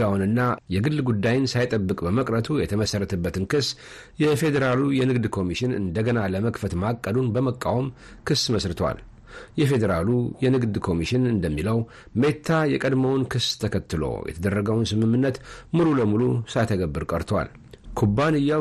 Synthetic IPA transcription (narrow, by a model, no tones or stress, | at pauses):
awnɨnːajɛɡɨlːɡud̪ːajɪnsajt̪ʼəbːɨkʼbəməkʼɾət̪ʰujɛt̪ʰəməsərːət̪ʰəbːət̪ʰɨnkɨsː | jɛfe̞d̪əɾalujɛnɨɡd̪kʰo̞miʃɪnɨ̰nd̪əɡənaləməkfət̪makʼːəd̪unbəməkʼːa̰wm | kʰɨsːməsɾɨt̪ʰwa̰l | jɛfe̞d̪əɾalujɛnɨɡd̪kʰo̞miʃɪnɨnd̪əmːiləw | met̪ʰːajɛkʼəd̪məwnkʰɨst̪ʰəkʰət̪ːɨlo̰jɛ̰t̪ʰəd̪ərːəɡəwnsɨmɨmːɨnːət̪muɾuləmulusajt̪ʰəɡəbːɨɾkʼəɾt̪ʰwa̰l | kʰubːanɨjːa